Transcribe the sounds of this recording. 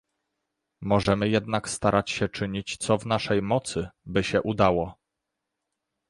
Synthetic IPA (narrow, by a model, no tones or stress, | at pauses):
mɔʐɛmɘjɛd̪nakst̪aɾʔat͡ɕɕɛt͡ʂɘɲit͡ɕt̪sɔvnaʂɛjmɔt̪sɘbɘɕɛʔud̪awɔ